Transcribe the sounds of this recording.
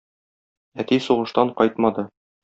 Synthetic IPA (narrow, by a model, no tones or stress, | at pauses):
æt̪isuʁɤ̆ʃt̪ɑɴqɒjt̪mɑd̪ɤ